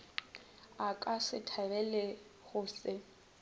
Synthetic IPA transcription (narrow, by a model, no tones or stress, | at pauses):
akʼasɪtʰarɛlɛɣʊːsɪ